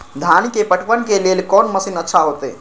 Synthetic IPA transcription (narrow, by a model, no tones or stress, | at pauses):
d̪ʱanikepəʈʰpənkelelkɔnməsinətːʃʰaɦot̪ɛ